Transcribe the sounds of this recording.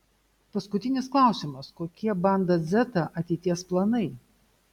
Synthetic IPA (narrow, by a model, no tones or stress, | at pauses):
pɐskʊt̪ʲɪnʲɪsklˠɐˑʊsʲɪmɐskoːkʲiɛbɐnd̪ɐzʲɛt̪ɐʔɐt̪ʲɛɪt̪ʲiɛsplˠɐnɐɪ